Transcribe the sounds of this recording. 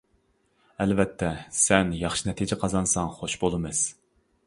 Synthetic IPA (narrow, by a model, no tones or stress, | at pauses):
ɛlvɛt̪ʰːɛsɛnjɑχʃinɛt̪ʰɪd͡ʒɪqʰɑzɑnsɑŋχoʃbolˠɨmɨz̥